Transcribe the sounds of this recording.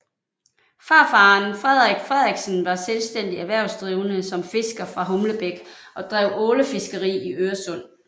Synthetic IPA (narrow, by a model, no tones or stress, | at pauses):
fɑ̈ːfɑ̈ːnfʁɛðˠʁeɡ̥fʁɛðˠʁɛɡ̥sənʋɑ̈selsd̥en̰d̥iæʋæɐʊsd̥ʁiːʊnəsɒ̽mfe̝sɡ̥ɐfʁɑ̈ɦɔ̽mləb̥eɡ̥ʔɒ̽d̥ʁɛʊɔːləfe̝sɡ̥əʁḭːiʔøːɐsɔ̽n̰